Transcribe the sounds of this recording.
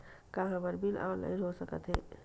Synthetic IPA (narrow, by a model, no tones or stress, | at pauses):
kaɦãbəɾbʱilʔa̰ːlə̰iɾɦosəkət̪ɦɛː